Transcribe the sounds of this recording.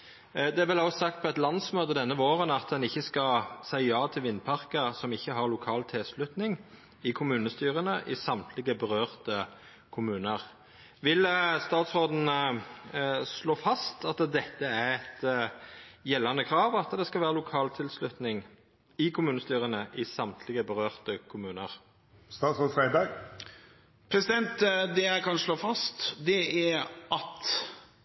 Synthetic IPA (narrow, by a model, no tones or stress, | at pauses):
d̪ɛæʁʋɛlɑsɑk̚t̪̚pʰɔɛt̪lɑnsmøːt̪əd̪ɛnːəʋoːʁənɑt̪̚d̪ɛnɪçːəskɑlsæɪjɑːt̪ʰɪlʋɪnːpʰɑʁkəsɔmɪçːəɦɑʁlʊkʰɑːlt̪ʰɛːslʉt̪nɪŋ | ɪkʰʊmʉːnəst̪yːʁənəʔɪsɑmt̪ʰlɪɡəbəʁøːʁt̪ə | kʰʊmʉːnəʁ | ʋɪlst̪ɑːt̪sʁoːd̪n̩ | sloːfɑst̪ɑt̪d̪ɛt̪ːəæʁɛt̪ | jɛlːɑnəkʰɾɑːʋɑt̪d̪ɛskɑlʋæːʁəlʊkʰɑːlt̪ʰɪlslʉt̪nɪŋ | ɪkʰʊmʉːnəst̪yːʁənəʔɪsɑmt̪ʰlɪɡəbəʁøːʁt̪əkʰʊmʉːnəʁ | st̪ɑːt̪sʁoːfɾæɪd̪ɑɡ | pʰɾɛsɪd̪ɛnt̪d̪ɛækʰɑnsloːfɑst̪d̪ɛæɾʔɑt̪